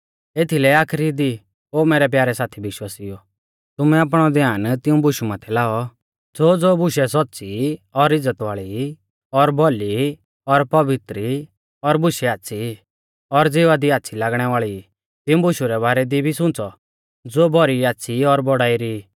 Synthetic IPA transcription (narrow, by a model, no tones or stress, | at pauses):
eːt̪ʰilɛaːkʰɾid̪i | oːmɛːɾɛp̬jaːɾɛsaːt̪ʰibɪʃwaːsijɔ | t̪ʊmɛaːp̬ɽ̃ɔd̪jaːnt̪ɪũbʊʃumaːt̪ʰɛlaːɔ | d͡zoːd͡zoːbʊʃɛs̬ɔtːsiɔɾɪd͡zːət̪ʋaːɭi | ɔɾbʱɔli | ɔɾpɐʋɪt̪ɾi | ɔɾbʊʃɛaːtːsʰi | ɔɾd͡zeːʋad̪iaːtːsʰilaːɡɽ̃ɛʋaːɭi | t̪ɪũbʊʃuɾɛbaːɾɛd̪ibʱisʊ̃t͡sɔ | d͡zoːbʱɔɾiaːtːsʰiɔɾbɔɽaːiɾi